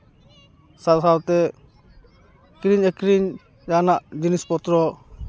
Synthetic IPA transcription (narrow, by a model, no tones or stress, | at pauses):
sasawt̪ɛ | kɾiɲɛkɾiɲ | janaʔd͡ʒinispɔt̪ɾɔ